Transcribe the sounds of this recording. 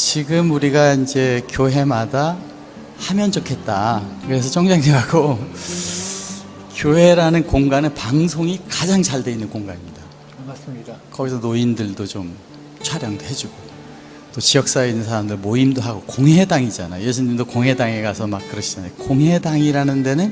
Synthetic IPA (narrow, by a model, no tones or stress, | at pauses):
t͡ɕiɡɯmuɾiɡaind͡ʑe̞kjoɦe̞mada | hamjʌnt͡ɕokʰe̞t̚t͈akɯɾe̞sʰʌt͡ɕʰʌŋd͡ʑeŋdeɡaɡo | kjoɦe̞ɾanɯnkoŋɡanɯnpaŋsʰoŋikad͡ʑaŋt͡ɕaɭdwe̞inːɯnkoŋɡanimɲida | kʌɡisʰʌnoindɯɭdot͡ɕom | t͡ɕʰwaɾjʌŋdoɦe̞d͡ʑuɡo | t͈ot͡ɕijʌk̚s͈aeinːɯnsʰaɾamdɯɾɭmoimdoɦaɡokoŋɦe̞daŋid͡ʑana̰jo̰je̞s̬ʰuɲimdokoŋɦe̞daŋeɡasʰʌmak̚k͈ɯɾʌɕʰid͡ʑanajokoŋɦe̞daŋiɾanɯnde̞nɯn